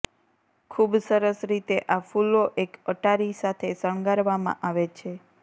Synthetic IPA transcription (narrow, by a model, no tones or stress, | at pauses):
kʰubsəɾəsɾit̪eʔafuloʔekəʈaɾisat̪ʰesəɳ̃ɡaɾʋamã̰ʔaʋet͡ʃʰe